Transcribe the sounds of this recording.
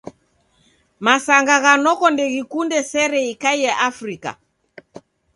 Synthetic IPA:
masaŋɡaɣanɔkɔndɛɣikundɛsɛɾɛikaijɛʔafɾika̰

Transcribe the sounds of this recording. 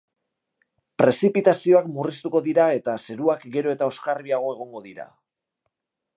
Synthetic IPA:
pɾe̞sipit̪asio̞akmurist̪uko̞ðiɾae̞t̪ase̞ɾuakɡe̞ɾo̞e̞t̪ao̞skarβiaɣ̞o̞e̞ɣ̞o̞ŋɡo̞ðiɾa̰

